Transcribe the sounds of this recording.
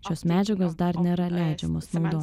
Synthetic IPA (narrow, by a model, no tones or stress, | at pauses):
ʃʲoːsmʲæːd͡ʒʲɛɡoːs̬d̪ɐɾnʲeɾɐlʲæˑɪd͡ʒʲɛmoːsnɒʊd̪oː